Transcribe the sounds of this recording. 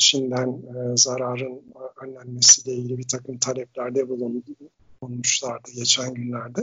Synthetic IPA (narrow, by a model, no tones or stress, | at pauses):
t͡ʃʰind̪ænzaɾaːɾɯnønlʲænmesiːlʲeiɟilʲibit̪ʰakʰɯmt̪ʰalʲɛplʲæɾd̪ɛbulˠunblˠunmuʃlˠaɾd̪ɯɟet͡ʃʰænɟynlʲæɾd̪ɛ